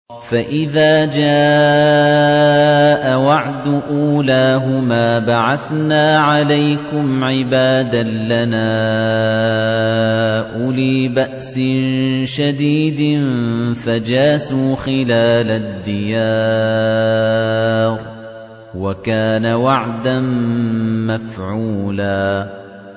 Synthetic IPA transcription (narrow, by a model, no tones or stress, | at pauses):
faʔɪðaːd͡ʒaː | ʔawaʕd̪ʊʔuːlaːɦʊmaːbaʕaθnaːʕalajkʊmʕɪbaːd̪alanaː | ʔʊliːbaʔsɪnʃad̪iːd̪ɪnfad͡ʒaːsuːxɪlaːlad̪ːɪjaː | ɾ | wakaːnawaʕd̪an | mafʕuːlaː